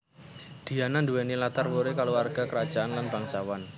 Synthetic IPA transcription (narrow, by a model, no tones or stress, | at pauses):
d̪̥i̤ananduwɛnilat̪arwoɾekaluarɡ̥akəɾad̥ʒ̥aanlanbəlaŋt͡ʃawan